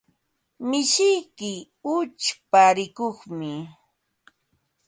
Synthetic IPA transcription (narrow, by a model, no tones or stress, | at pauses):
mɪʃɪjkɪ | ʊt͡ʃpaɾɪkoχmɪ